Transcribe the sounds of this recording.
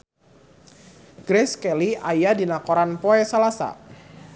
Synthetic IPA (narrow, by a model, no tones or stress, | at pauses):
ɡ̥ɾɛskɛliʔajadinakoɾanpɔɛsalasa̰